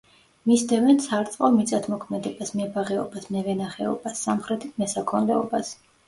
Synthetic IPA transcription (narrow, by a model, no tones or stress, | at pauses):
misd̪ɛvɛnt̪sʰaɾt̪sʼqʼɔmit̪sʼat̪ʰmɔkʰmɛd̪ɛbasmɛbaʁɛɔ̰basmɛvɛnaχɛɔ̰basːamχɾɛt̪ʰit̪mɛsakʰɔnd̪ɛɔbas